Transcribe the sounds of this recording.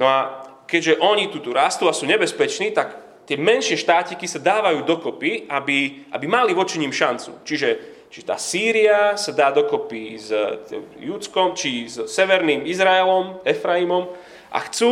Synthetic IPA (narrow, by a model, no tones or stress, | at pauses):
nɔa | kɛɟʒɛʔɔɲit̪ut̪uɾast̪uːasuːɲɛbɛspɛt͡ʃniːt̪ak | t̪ɪɛmɛnʃɪɛʃt̪aːcɲikisad̪aːʋajuːd̪ɔkɔpiabiʔa̰bimaliʋɔt͡ʃiɲiːmʃant͡sṵt͡ʃiʒɛ | t͡ʃit̪a̰ːsiːɾiasad̪aːd̪ɔkɔpiz | jut͡skɔmt͡ʃizsɛʋɛɾnimizɾaɛlɔmɛfɾaimɔm | ʔa̰xt͡su